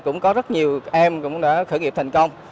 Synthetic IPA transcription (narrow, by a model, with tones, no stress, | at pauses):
kʊ̰˧˥ŋ͡mkɔ˨˦zə˦˥t̚ɲi˨˩əwʔɛ˧mkʊ̰˧˥ŋ͡mɗa̰ː˧˥xɨː˧˥˩ŋi˨˩p̚t̪ʰjŋ̟kə˧wŋ͡m